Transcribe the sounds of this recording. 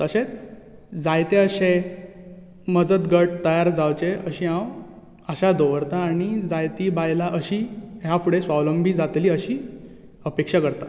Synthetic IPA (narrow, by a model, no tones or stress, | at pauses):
t̪əɕet͡s | d͡zajt̪eəɕe | məd͡zət̪ɡəʈ̚t̪əjaɾd͡zawt͡ɕeəɕĩːɦãw | əɕad̪oʋəɾt̪aːɽ̃id͡zajt̪iːbajlaʔəɕiːɦjafuɽesʋawləmbiːd͡zat̪liːəɕiː | əpekʂakəɾt̪a